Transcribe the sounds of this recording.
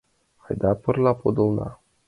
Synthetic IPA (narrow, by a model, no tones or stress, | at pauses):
ajd̪apɨrlapod̪ona̰